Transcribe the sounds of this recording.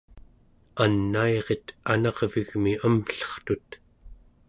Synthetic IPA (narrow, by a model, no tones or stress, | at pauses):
anːaeʁe̞t̪anɑʁviɣmiəmɬʌ̥χt̪ut̪